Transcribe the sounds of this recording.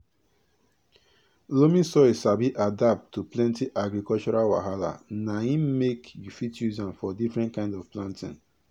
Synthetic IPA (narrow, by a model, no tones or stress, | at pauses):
lomĩnsɔɪʃabiʔadap̚tʰːuplɛ̃ntiʔaɡɹikɔlt͡ʃɔɹalwa̰ɦala̰naĩmekjufitjuzãnfɔdifɹɛ̃ntkãɪ̃ndɔvplãntʰḭ̃n